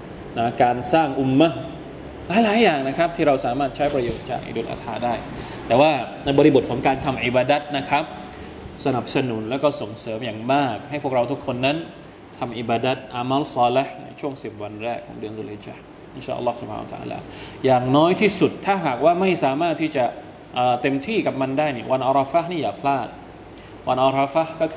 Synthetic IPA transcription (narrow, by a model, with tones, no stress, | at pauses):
na˦˥˩kaː˧nsaː˥˩ŋʔu˧mːa˦˥ | laː˨˦jlaː˨˦jaː˨˩ŋna˦˥kʰa˦˥p̚t̪ʰiː˥˩ɾa˧wsaː˩˦maː˥˩t̪̚t͡ɕʰa˦˥jpɾa˧joː˨˩t̪̚t͡ɕa̰ː˨˩k̚ʔḭ˨˧duː˧nʔa̰ː˧t̪ʰaː˧daː˥˩j | t̪ɛː˨˩waː˥˩na˧jbɔː˧ɾi˧bo˨˩t̪̚kʰɔː˩˦ŋkaː˧nt̪ʰa˧mʔi˨˩baː˧da˦˥t̪̚na˦˥kʰɾa˦˥p̚ | sa˧na˨˩p̚sa˧nu˩˦nlɛː˦˥kɔː˥˩so˨˩˦ŋsɤː˩˦mjaː˨˩ŋmaː˥˩k̚ha˥˩jpʰu˥˩ək̚ɾa˧wt̪ʰu˦˥kʰːo˧nːa˦˥n | t̪ʰa˧mʔi˨˩baː˧da˦˥t̪̚ʔa˧maː˦˥lsɔː˧le˦˥hna̰˧jt͡ɕʰu˥˩əŋsi˨˩p̚wa˧nɾɛː˥˩kʰːɔ̰ː˩˦ŋdɯ˧nso˧le˧˩t͡ɕa̰˨˩ | ʔi˦˩nt͡ɕaː˧˩ʔɐ̰˧lːɔː˥˩su˦p̚ʰa̰ː˧n̰˧t̪a̰˧a̰ː˧la̰ː˧˦jaː˨˩ŋnɔː˦˥jt̪ʰiː˥˩su˨˩t̪ʰːaː˥˩ɦaː˨˩k̚waː˥˩ma˥˩jsaː˩˦maː˥˩t̪ʰːiː˥˩t͡ɕa˨˩ | ʔəː˨˩t̪e˧mt̪ʰiː˥˩ka˨˩p̚ma˧ndaː˥˩jni˥˩ɐwa˧nʔa˧ɾɔ˧fa˦˥niː˥˩jaː˨˩pʰlaː˥˩t̪̚ | wa˧nʔa˧ɾɔ˧fa˦˥hkɔː˥˩kʰ